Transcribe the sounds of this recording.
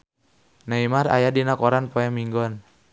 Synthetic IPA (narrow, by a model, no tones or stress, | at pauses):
naimaɾa̰jadinakɔɾanpɔɛmiŋɡɔn